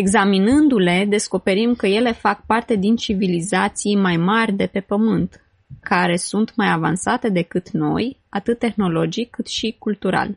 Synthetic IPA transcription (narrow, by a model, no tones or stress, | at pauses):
e̞ɡzaminɨnd̪ule̞d̪e̞sko̞pe̞ɾimkəje̞le̞fak̚part̪e̞d̪int͡ʃivilizat̪sijmajmarʲd̪e̞pe̞pəmɨnt̪ | kaɾe̞sunt̪majava̰nsat̪e̞d̪e̞kɨt̪no̞̰jat̪ɨt̪ːe̞xno̞lo̞d͡ʒikːɨt̪ʃikult̪uɾa̰l